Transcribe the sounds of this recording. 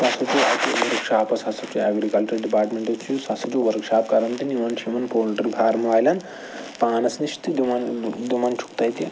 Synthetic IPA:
sɐsɐd͡ʒuʔɐt̪iʋɐɾkʂaːpɐshɐsɐt͡ʃuɛːɡɾikɐlt͡ʃɐɾɖipaːɾʈmeɳʈɐt͡ʃʰujusɐsɐd͡ʒuʋɐɾkʃaːp̚kɐɾɐnt̪iniʋɐnt͡ʃʰimɐnpoːlʈɐɾibʱaːɾmɐʋaːjlɐn | paːnɐsniʃt̪id̪umɐnd̪umɐnt͡ʃʰu̥kt̪ɐjt̪i

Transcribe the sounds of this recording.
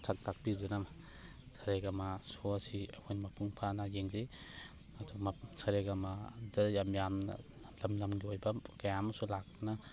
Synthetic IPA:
sʰak̚tʰak̚biɾdunama | sʰaɾeɡamasosiahʰojnmɐpʰuŋpʰanɐjeŋze | ɐdusʰaɾeɡɐmadajamjam̰ | lɐmlɐmɡiojbɐkajamɐsulakna

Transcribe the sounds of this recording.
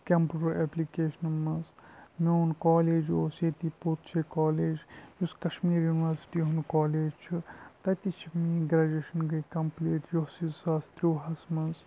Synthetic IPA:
kʲɐmpɾɐɾeplikeːʃɐnmɐnzmeunkaːleːd͡ʒjoːseːt̪ipot̪t͡ʃʰɐkaːleːd͡ʒjuskɐʃmiːɾjuːniʋɐɾsi̥ʈiɦunkaːleːd͡ʒt͡ʃʰut̪ɐt̪it͡ʃʰimiɡɾaːd͡ʒeʃɐnɡɐkɐmpleːʈjoɦsizsaːst̪ɾuʋɦɐsmɐnz

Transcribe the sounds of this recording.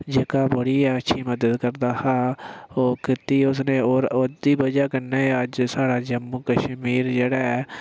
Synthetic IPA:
d͡ʒeːkaːbəɽiːɛːətːʃʰiːməd̪əd̪kəɾd̪aːhaːoːkɪt̪iːʊsnẽːoːɾod̪iːbəd͡ʒaːkənːeːəd͡ʒsaːɽaːd͡ʒəmːuːkəʃmiːɾd͡ʒeːɽɛː

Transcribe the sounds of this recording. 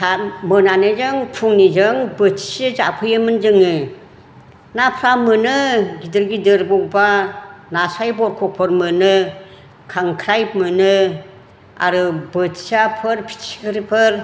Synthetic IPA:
tʰamɯnanɯzɯŋpʰuŋnid͡ʒɯŋbɯtʰi̥siza̰pʰɯjɯmɯnd͡ʒɯŋɯ | napʰɾamɯnɯɡidɯɾɡidɯɾbɔk̚banasajbɔɾkʰɔk̚pʰɯɾmɯnɯ | kʰaŋkʰɾajp̚mɯnɯ | a̰ɾɯbɯtʰi̥sapʰɯɾpʰi̥si̥kʰɯɾipʰɯɾ

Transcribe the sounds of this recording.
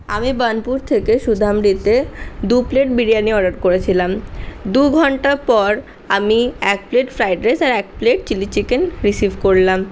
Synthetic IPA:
amibanpuɾt̪ʰekeʃud̪ʱamɾit̪ed̪upleʈ̚biɽijanieɔɖaɾkoɾet͡ɕʰilamd̪uɡʱɔɳʈapɔɾ | amiɛk̚pleʈfɾajɖɾesaɾɛk̚pleʈ̚t͡ɕilit͡ɕikenɾisibʱkoɾlam

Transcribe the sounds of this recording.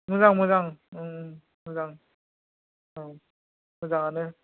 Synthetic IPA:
mɯzaŋmɯzaŋɯ | mɯzaŋ | ɯ | mɯzaŋanɯ

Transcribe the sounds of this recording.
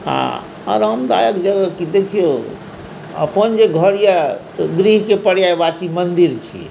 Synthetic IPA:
a̰ | ɔ̰ɾɦəmd̪a̰jəkd͡ʒəɡəkid̪ekʰijo | ə̰pənd͡ʒeɡʱəɽija | ɡɾiɦkepəɽjaebat͡ʃimənd̪iɾt͡ʃʰḭ

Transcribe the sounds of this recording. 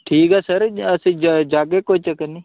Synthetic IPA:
ʈʰiːkɛːsəɾɐsĩd͡ʒd͡ʒaːɡekoit͡ʃəkəni

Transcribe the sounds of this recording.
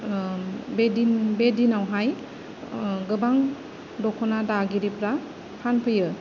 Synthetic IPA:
bedinbedinawɦaj | ɡɯbaŋ | dɔkʰɔnadaɡiɾipɾa | pʰanpʰɯjɯ

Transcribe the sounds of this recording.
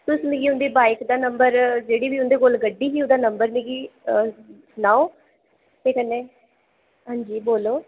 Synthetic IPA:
t̪ʊsmẽːɡiːɦʊ̃nd̪iːbaːɪkd̪aːnəmbəɾd͡ʒeːɽiːbiːʊ̃nd̪eːkolɡəɖːiːɦiːʊd̪aːnəmbəɾmẽːɡiː | naːoː | t̪eːkənːeː | ɦãːɲd͡ʒiːboːloː

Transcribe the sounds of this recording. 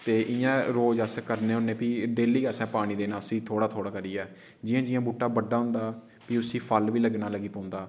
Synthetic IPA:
t̪eːʔɪjãːɾoːd͡ʒəskəɾneːɦʊnẽːpiːɖeːliːɡəsɛ̃ːpaːɽ̃ĩːd̪eːnaːʊsiːt̪ʰoːɽaːt̪ʰoːɽaːkəɾiːɛː | d͡ʒɪːãːd͡ʒɪjãːbuːʈːaːbəɖaːɦʊ̃nd̪aː | piːʊsĩːpʰəlʋiːləɡnaːləɡiːpõːnd̪aː

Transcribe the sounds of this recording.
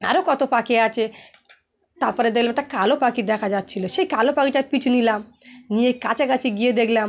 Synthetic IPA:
a̰ɾokɔt̪opakeat͡ʃʰe | t̪aɾpɔɾed̪ekʰlamt̪aɾkalopakid̪ɛkʰad͡ʒatːt͡ɕʰiloʃejkalopakit̪apit͡ɕʰunilamnijekat͡ɕʰakat͡ʃʰiɡied̪ekʰlam

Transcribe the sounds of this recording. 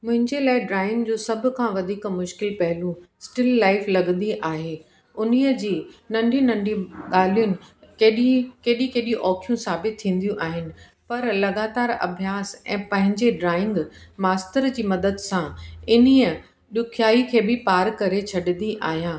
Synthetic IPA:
mʊ̃ɦɪ̃ɲd͡ʑelaːɪɖɾaːɪ̃ŋɡd͡ʑoːsɐbʱʊ̆kʰãʋɐd̪ʱiːkmʊʃkɪlpɐɦɪlũsʈɪlːaːɪflɐɡnd̪iʔaːɦeː | ʊniəd͡ʑiːnɐ̃ɳɖʱĩnɐ̃ɳɖʱĩɠaːlijʊnɪ̆kːɗikeːɗĩkeːɗijũʔɔːkʰijũsaːbɪt̪ʰːĩːn̆d̪jũʔaːɦɪnɪ̆ | pɐɾlɐɡaːt̪aːɾɐ̰bʱjaːsɛ̰̃ːpɐ̃ɦɪ̃ɲd͡ʑeɖɾaːɪ̃ŋɡmaːst̪əɾd͡ʑiːmɐd̪əd̪sãɪniːə | ɗʊkʰjaːikʰeːbɪpaːɾkɐɾet͡ɕʰɐɗɪnd̪iʔaːɦijãː

